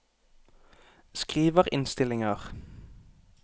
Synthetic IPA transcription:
skʁiːʋəʁɪ̰nst̪ɪlɪŋəʁ

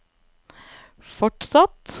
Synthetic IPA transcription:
fɔʈsɑt̪

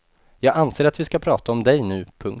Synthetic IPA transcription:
jɑːɡanseːɾat̪vɪskapʰɾɑːt̪aɔmd̪ɛjnʉ̟ːpʰɵŋ

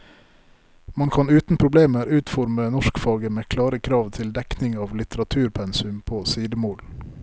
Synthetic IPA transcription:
mɑŋkʰɑnʉːt̪n̩pʰɾʊbleːməɾʉːt̪fɔɾmənɔʃkfɑːɡəmeːkʰlɑːɾəkʰɾɑːʋt̪ʰɪld̪ɛknɪŋɑːʋlɪt̪əɾɑt̪ʰʉːɾpʰɛnsʉmpʰoːsiːd̪əmoːl

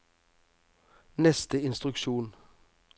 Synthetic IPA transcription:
nɛst̪əɪnst̪ɾʉkʃuːn

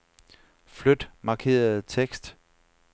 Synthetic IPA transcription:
flød̥mɑ̈kʰe̝̰ːɐð̩ˠt͡sʰeɡ̥sd̥

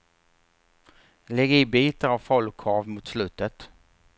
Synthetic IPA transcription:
lɛɡɪbiːt̪aɾavfɔlkʰɑːvmʊt̪slʉ̟ːt̪ət̪

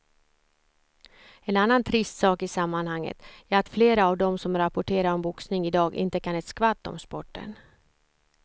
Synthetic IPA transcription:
ɛnanːant̪ʰɾɪst̪sɑːkɪsamːanhaŋːə̰t̪æːɾat̪fleːɾaːvd̪ɔmsɔmɾapɔʈʰeːɾaɾɔmbʊksnɪŋɪd̪ɑːɡɪ̰nt̪əkʰanɛt̪skvat̪ːɔ̰mspɔʈːə̰n

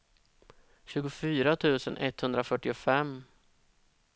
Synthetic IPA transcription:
ɕʉ̟ːɡʊfyːɾat̪ʰʉ̟ːsənʔɛ̰t̪hɵnd̪ɾafœʈːɪʊfɛmː

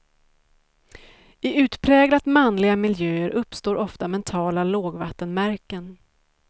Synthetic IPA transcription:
ɪʉ̟ːt̪pʰɾɛːɡlat̪manlɪɡamɪljøːəɾʔɵpːst̪oːɾʔɔft̪amɛnt̪ʰɑːlaloːɡvat̪ːənmæɾkən

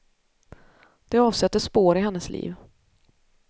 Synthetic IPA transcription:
d̪̥ɛɑːvsɛt̪ːəʂpoːɾɪɦɛnːəslḭːv

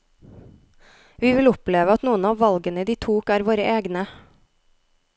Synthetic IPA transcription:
ʋiːʋɪlʊpleːʋəɑt̪nuːənɑːʋʋɑlɡənəid̪iːt̪ʰuːkæːɾʋoːɾəʔeːɡnə

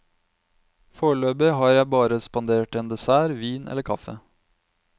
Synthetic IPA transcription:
foːɭøːbɪɦɑɾjæɪbɑːɾəspɑnd̪eːʈɛnd̪ɛsæːɾʋiːnʔɛ̰lːəɾkʰɑfə̰

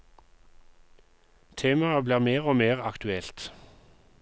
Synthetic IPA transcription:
t̪ʰeːmɑəbliːʁmeːʁoːmeːʁɑkt̪ʉɛlt̪

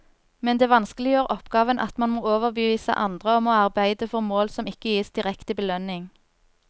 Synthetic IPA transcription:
mɛnd̪eːʋɑnskəlɪjøːʁʔɔpɡɑːʋənʔɑ̰t̪mɑnmoːoːʋəʁbəʋiːsə̰ʔɑnd̪ʁəɔmoːɑʁbæɪd̪əfɔʁmoːlsɔmɪkəjiːsd̪̥ɪʁɛkt̪ɪbəlœnɪŋ

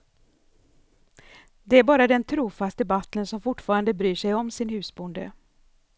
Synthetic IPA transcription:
d̪ɛæɾbɑːɾad̪ɛnt̪ʰɾuːfast̪əbat̪lənsɔmfʊʈːfɑːɾand̪əbɾyːʂɛjɔmsɪnhʉ̟ːsbʊnd̪ə̰

